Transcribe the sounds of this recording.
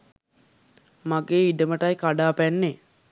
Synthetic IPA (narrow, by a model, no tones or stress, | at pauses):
maɡeːiɖəməʈajkaɖaːpænːe